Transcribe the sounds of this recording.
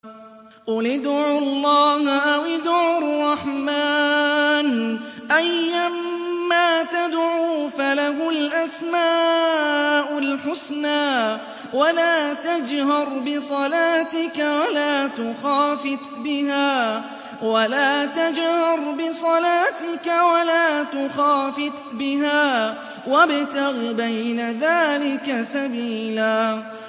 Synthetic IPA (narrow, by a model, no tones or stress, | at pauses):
ʔʊlɪd̪ʕʊllˤːɑːhʔawɪd̪ʕʊʊrˤːɑħmaːnʔajːamːaːt̪ad̪ʕuːfalahʊlʔasmaː | ʔʊlħʊsnaː | walaːt̪ad͡ʒhɑɾˤbɪsˤɑlaːt̪ɪkawalaːt̪ʊxaːfɪt̪bɪɦaː | walaːt̪ad͡ʒhɑɾˤbɪsˤɑlaːt̪ɪkawalaːt̪ʊxaːfɪt̪bɪɦaː | wabt̪ɪɣbajnaðaːlɪkasabiːlaː